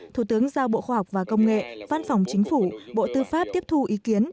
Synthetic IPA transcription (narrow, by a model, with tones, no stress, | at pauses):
t̪ʰu˧˩t̪ɨ˨˦əŋzaː˧wɓo̰˧˨xwaː˧ɦa˨˩k͡p̚vaː˨˩kə˧wŋ͡mŋḛ˧˨va˧nfa˨˩wŋ͡mt͡ɕï˨˦ŋ̟fu˧˩ɓo̰˧˨t̪ɨ˧faː˦˥p̚t̪i˦˥əp̚t̪ʰu˧ʔi˨˦ki˨˦ən